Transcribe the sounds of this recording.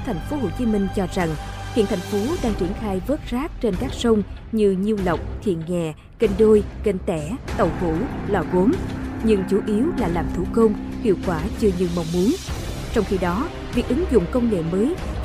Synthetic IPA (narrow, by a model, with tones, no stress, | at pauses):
t̪ʰa˨˩jŋ̟fo˨˦ɦo˧˩t͡ɕi˨˦mï˧ŋ̟t͡ɕɔ˧za˨˩ŋhḭ˧˨ənt̪ʰa˨˩jŋ̟fo˨˦ɗaː˧ŋt͡ɕi˧˩ənxaː˧jvə˦˥t̚zaː˦˥k̚t͡ɕe˧nkaː˦˥k̚sə˧wŋ͡m | ɲɨ˧ɲi˧əwlə˨˩wk͡p̚t̪ʰḭ˧˨ənŋɛ˨˩ | kə˧nɗo˧jke˧nt̪ɛ˧˩t̪ə˨˩whu˧˩lɔ˨˩ɣo˨˦mɲɨ˧ŋt͡ɕu˨˦ʔi˨˦əwlaː˨˩laː˨˩mt̪ʰu˧˩kə˧wŋ͡mhḭ˧˨əwkwaː˧˩t͡ɕɨ˧əɲɨ˧˩ma˨˩wŋ͡mmu˨˦ən | t͡ɕɔ˧wŋ͡mxi˧ɗɔ˨˦ | vḭ˨˩ək̚ʔɨ˨˦ŋzʊ̰˧˨ŋ͡mkə˧wŋ͡mŋḛ˧˨məː˨˦j